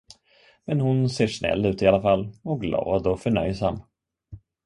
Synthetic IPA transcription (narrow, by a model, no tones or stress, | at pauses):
mɛnhʊnseːʂnɛ̰lːʉ̟ːt̪ɪalafalːɔk̚ɡlɑ̰ːd̪ɔfœɳœ̰jsamː